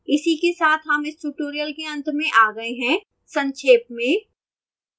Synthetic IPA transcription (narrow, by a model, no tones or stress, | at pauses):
ɪsikesaːt̪ʰɦɐmɪsʈuʈoːɾijəlkeɐ̃nt̪mẽʔaːɡɐeɦɛ̃ː | sɐ̃ɲt͡ʃʰeːp̚mẽː